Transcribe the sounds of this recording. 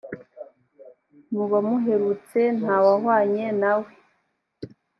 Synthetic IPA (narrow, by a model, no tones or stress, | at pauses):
muβamuɦe̞ɾut͡se̞n̥hawaɦwaːɲenawe